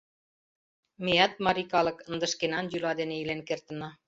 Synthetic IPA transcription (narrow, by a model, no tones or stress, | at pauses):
mejɑt̪̚mɑɾikɑlɤ̆kə̆nd̪ə̆ʃkenɑnjylɑd̪eneilenkert̪ə̆nɑ